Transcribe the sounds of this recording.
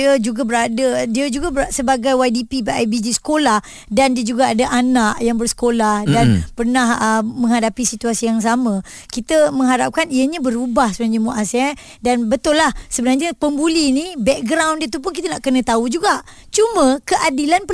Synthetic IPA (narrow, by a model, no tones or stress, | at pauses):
əd͡ʒuɡabəɾadədiəd͡ʒuɡabəsəbaɡajwajdipibaʔajbid͡ʒisə̥kolah | dandiəd͡ʒuɡaadaʔanaʔjaŋbərsə̥kolahdanpərnahəmə̃ŋɦadapisit̪uasijaŋs̬amə̃ | kit̪əmə̃ŋɦaɾap̚kaniəɲəbəɾubahsəbənarɲəmuʔasɛ | danbət̪ʊlːahsəbənarɲəpəmbulinibɛk̚ɡɾawndiət̪up̬ʊnk̬it̪ənaʔkənə̃t̪aud͡ʒuɡaʔ | t͡ʃumə̃kəʔadilanpə